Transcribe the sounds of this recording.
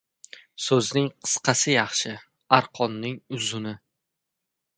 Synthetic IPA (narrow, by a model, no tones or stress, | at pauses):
sɵznɪŋqʰɨ̥sqʰɑsɪjɑχʃɪ | aɾqʰɒnːɪŋʊzʊnɪ